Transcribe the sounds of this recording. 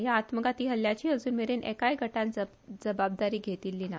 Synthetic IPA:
jaːt̪məɡat̪iːɦəljat͡ɕiːəd͡zuːnmeɾenʔɛ̰kajɡʱəʈan | d͡zəbab̚d̪aɾiːɡʱet̪iːlːiːna

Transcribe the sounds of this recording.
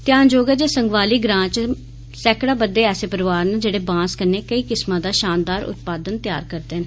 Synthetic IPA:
t̪ɪjãːnd͡ʒoːɡɛːd͡ʒeːsəŋɡʋaːliːɡɾãːt͡ʃ | sɛːkɽaːbəd̪eːɛːseːpəɾʋaːɾnəd͡ʒeːɽeːbãːskəneːkəiːkɪsmãːd̪aːʃaːnd̪aːɾʊ̰t̪̚paːd̪ənt̪ja̰ːɾkəɾd̪eːɦən

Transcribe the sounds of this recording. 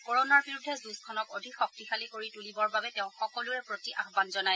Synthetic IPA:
koɹɔnaɹbiɹudʱɛzuskʰɔnɔkodʱikxɔk̚tixalikoɹitulibɔɹbabɛtɛʊ̃xɔkɔlʊɛpɹotiʔaxbanzɔnaj

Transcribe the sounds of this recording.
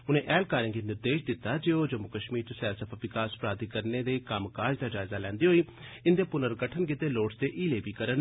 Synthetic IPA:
ʊnẽːʔɛːlkaːɾẽːŋɡeːnɪɾd̪eːʃd̪ɪt̪ːaːd͡ʒeːod͡ʒəmʊkəʃmiːɾt͡ʃːsɛːsəpʰaʋɪkaːspɾaːd̪ikəɾneːd̪eːkamkaːd͡ʒd̪aːd͡ʒaːɪzaːlɛ̃ːnd̪iːɦoːiː | ɪnd̪eːpʊnəɾɡəʈʰənkɪt̪eːloːʈsd̪eːʔiːleːbiːkəɾən

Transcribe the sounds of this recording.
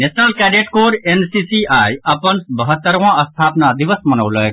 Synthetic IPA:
nesʰnəlkɛɖeʈkoɾensisiajəpənbəɦət̪ːəɾʋãəst̪ʰapnad̪iʋəsmənəwləe

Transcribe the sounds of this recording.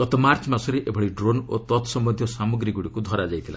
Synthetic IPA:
ɡ̥ɔt̪ɔmaɾt͡ʃmasɔɾeʔebʱɔɽiɖɾonot̪ɔt̪sɔmbɔd̪ʱjɔsamuɡɾiɡuɽikud̪ʱɔɾad͡ʒajt̪ʰila

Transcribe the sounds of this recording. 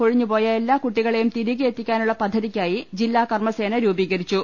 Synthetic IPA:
ko̞ɻiɲːupo̞ːjɐelːaːkuʈːiɣɐɭejumt̪iɾiɣiet̪ːikʲːaːnuɭːɐpɐd̪ʱːɐðikʲːaːjid͡ʑilːaːkɐrmɐse̞ːnɐɾuːbiːɣɐɾit͡ɕːu

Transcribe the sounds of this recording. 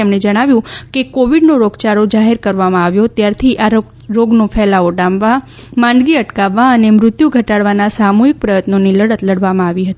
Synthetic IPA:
emɳed͡ʒəɽ̃aʋjũkekoʋiɖnoɾoɡt͡ʃaɾod͡ʒaɦeɾkəɾʋamãaʋjot̪jaɾt̪ʰiʔaɾ | ɾoɡnofʰɛlaoɖãmʋa | mãnd̪ɡiəʈkaʋːaənemɾʊt̪juɡʱəʈaɽʋanasamoɦik̚pɾəjət̪noniləɽət̪ləɽʋamãaʋiɦət̪ii

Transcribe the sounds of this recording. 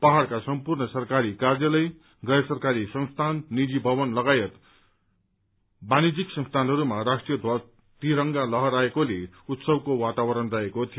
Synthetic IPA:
paɦaɽkasʌmpurnʌsʌrkaɾikard͡ʒʌlʌj | ɡʌjsʌrkaɾisʌŋst̪ʰanːid͡zibʱʌβʌnlʌɡajʌt̪ | banid͡ziksʌ̃ŋst̪ʰanɦʌɾumarasʈrijʌd̪ʱwʌ | t̪iɾʌŋɡalʌɦʌɾaekoleut̪sʌbkowat̪awʌɾʌnrʌɦekot̪ʰijo

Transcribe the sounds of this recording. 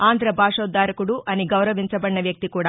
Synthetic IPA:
aːnd̪ʱɾɐbʱaːʂɔːd̪ːaːɾɐkuɽuʔɐniɡɐwɾɐʋiɲt͡ʃɐbɐɳnɐʋjɐk̚t̪ikuːɽaː

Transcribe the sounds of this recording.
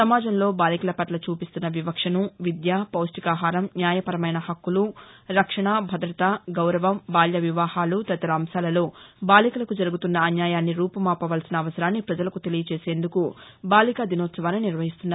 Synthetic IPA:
sɐmaːd͡ʒɐmlo̞ːbaːlikɐlɐpɐʈlɐt͡ʃuːpist̪unːɐʋibɐkʂɐnuʋid̪jaːpɐwsʈikaːɦaːɾɐmnjaːjɐpɐɾɐmɐjnɐhɐkːuluɾɐkʂɐɳaːbʱɐd̪ɾɐt̪aɡɐwɾɐʋɐmbaːljɐʋiʋaːhaːlut̪ɐt̪ɐɾaːmsaːlɐlo̞ːbaːlikulɐkud͡ʒɐɾuɡut̪unːɐːnjaːjaːnːiɾuːpɐmaːpɐʋaːlsinɐːʋɐsɐɾaːnːipɾɐd͡ʒɐlɐkut̪elijɐt͡ʃeːse̞ːnd̪uku | baːlikad̪inoːt̪sɐʋaːnːiniɾʋɐɦist̪unːaː

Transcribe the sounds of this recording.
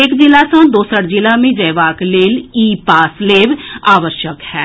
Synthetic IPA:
ekd͡ʒɪlasə̃d̪oːsəɾd͡ʒɪlamẽd͡ʒəɪʋaːkleːliːpaːsleːʋaːʋəɾʃjəkhɛː

